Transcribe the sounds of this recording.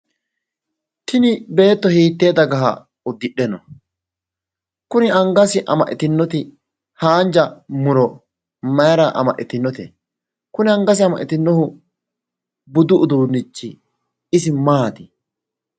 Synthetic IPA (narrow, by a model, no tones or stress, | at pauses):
t̪ɪnɪbe̞ːt̪ːɔhiːt̪ːe̞ːd̪ɐɡɐɦa̰ | ʊd̪ːɪɗɛnɔ | kʊnɪɐŋɡɐsɪʔɐ̰mɐʔɪt̪ɪnːɔt̪ɪ | haːnd͡ʒɐmʊɾɔ | mɐjɐɾɐʔɐ̰mɐʔɪt̪ɪnːɔt̪ɛ̰ | kʊnɪɐŋɡɐs̬ɪɐmɐʔɪt̪ɪnːɔhʊ | bʊd̪ʊʔʊd̪uːnːɪt͡ʃːɪ | ɪsɪmaːt̪ɪ